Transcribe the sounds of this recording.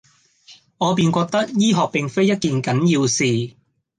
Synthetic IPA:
ŋɔː˨˧p̬iː˨nkʷɔː˧k̚t̪ɐ˥k̚jiː˥ɦɔː˨k̚pɪ˨˩ŋfe˥jɐ˥t̚kiː˨nkɐ˨˥nji˧wsiː˨

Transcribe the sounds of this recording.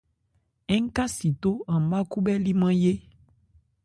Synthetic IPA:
ɛ˦ŋ˦ka˦si˨to˦ã˨m˨˦ba˦ku˦bɛ˦li˦mã˦je˦

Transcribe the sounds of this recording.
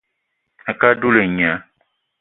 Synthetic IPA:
a˨ka˦du˦le˨ɲã˨˦

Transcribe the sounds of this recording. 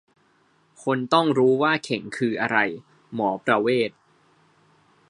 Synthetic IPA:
kʰo˧nt̪ɔ˥˩ŋɾuː˦˥waː˥˩kʰe˩˦ŋkʰɯː˧ʔa˧ɾa˧j | mɔː˩˦pɾa˧weː˥˩t̪̚

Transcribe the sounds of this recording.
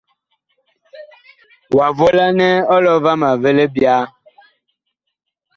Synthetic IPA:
wa˨vo˦la˦nɛ˦ɔ˦lɔ˦va˦ma˨ve˦le˦bja˦

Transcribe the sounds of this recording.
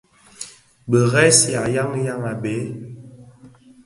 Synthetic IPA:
bə˨ɣɛ˦sja˨ja˦ŋ˦ja˦ŋa˨be˨˦

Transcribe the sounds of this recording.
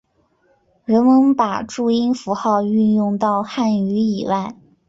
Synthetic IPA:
ɻə˧˥nmə˧˥npa˨˩ʈ͡ʂu˥˩i˥nfu˧˥xɑ˥˧ʊy˥˧njʊ˥˧ŋt̪ɑ˥˧ʊxa˥˩ny˧˥i˨˩wa˥˩ɪ

